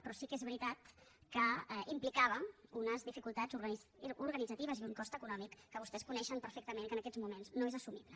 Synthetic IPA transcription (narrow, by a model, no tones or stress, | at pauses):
pɾɔsikezβɾit̪at̪kəɛimplikaβ̞əunəzðifikulˠt̪ad͡zuɾɣuɾɣənidd͡zət̪iβ̞əziuŋkɔst̪əkunɔmikːəβ̞ust̪ɛskunɛʃəmpəɾfekt̪əmeŋkənəkɛzmumenznoezəsumiβlə